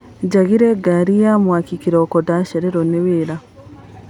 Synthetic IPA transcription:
ɟaɣiɾeɡaɾijamwakikiɾokodaʃeɾeɾoniwiɾa

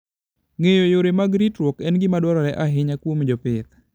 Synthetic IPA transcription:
ŋejojoɾemaɡɾitɾwɔkɛnɡɪmadwɔɾɔɾɛʔaɦɪɲakwomd͡ʒɔpɪt̪̚

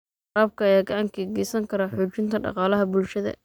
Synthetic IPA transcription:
aːb̚kʰɐjaːɡɐʕɑŋkʰiɡiːsɐŋkʰɐɾɐħuːt͡ʃɪnt̪ʰɐɖɑ̰qɑːlɐɦɐbʊlʃɐðɐ̰

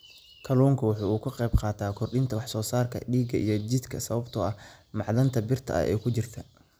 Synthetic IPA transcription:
kʰɐlɔːŋkʰɐwɑħuːuːkʰɐqɛjbqɑːt̪ʰaːkʰɔrɖɪnt̪ʰɐwɑħsɔːsaːrkʰɐ̰ɖiːɡɐʔijɞt͡ʃɪd̪kʰɐsɐβɐbt̪ʰɔɐmɑʕðɐnt̪ʰɐbɪrt̪ʰɐ̰ɐ̰ɛ̰ːjkʰʊt͡ʃɪrt̪ʰɐ

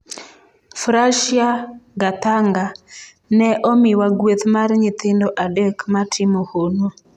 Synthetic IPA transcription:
fɾaʃjaɡat̪aŋɡa | nɛʔɔmɪwaɡwet̪marɲɪt̪ɪndɔʔadekmatʰɪmohono

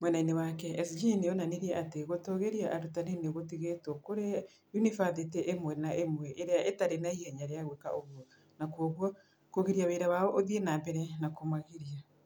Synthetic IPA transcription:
mwɛnainewakɛʔɛsɡiːnijonaneɾieateɣotoɣeɾiaʔaɾutaneneɣotiɣetokoɾe | junifaðeteʔemwɛnaʔemwɛʔeɾeaʔetaɾenaiheɲaɾejaɣweka̰ʔoβwo | nakoɣwo | koɣeɾiaβeɾaβaoʔoðienambeɾenakomaɣiɾja

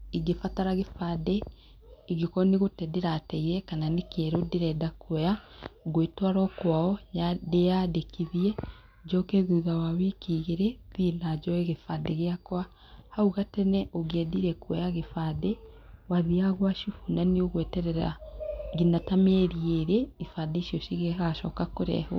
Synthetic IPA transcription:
eɡefataɾaɣefadɛ | eɡikɔniɣotɛdiɾatɛiɾɛkananekɛɾodiɾɛdakwɛja | ɡwetwaɾɔkwaɔjadejadekiðiɛ | d͡ʒɔkeðuðawawikiɣeɾɛðinad͡ʒɔeɣefadeɣeakwa | hauɣatɛnɛʔoɡɛdiɾɛkwɛjaɣefadewaðiaɣwaʃufunanioɣwɛːtɛɾɛɾa̰ɡinatameːɾieɾeifadeʃioʃiɣehaʃɔkakoɾɛ̰ho̰

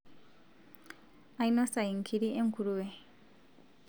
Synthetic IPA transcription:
ajnɔsajiŋkʰiɾiʔɛŋkʰuɾuwe

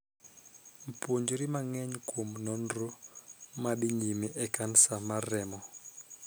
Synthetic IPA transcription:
m̩pwoɲd͡ʒoɾimaŋɛɲkomnɔnɾomadiɲimeʔɛkansamaɾɛmɔ

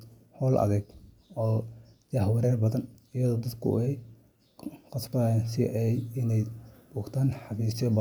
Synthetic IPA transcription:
hɔːlʔɐ̰ðɛɡɔː | d͡ʒahwɐɾɛːrbɐðɐnɪjɐðɔːd̪ɐd̪kʰʊ̰ʔɛj | qɑsbaːjnsɪʔɛjɪnɛjbuːɡt̪ʰaːnħɑfiːsjɔbɐ

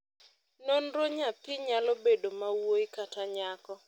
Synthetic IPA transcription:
nonɾoɲapɪɲalɔbedomawoɪkataɲakɔ

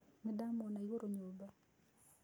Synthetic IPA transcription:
midamonaiɣoɾoɲoba

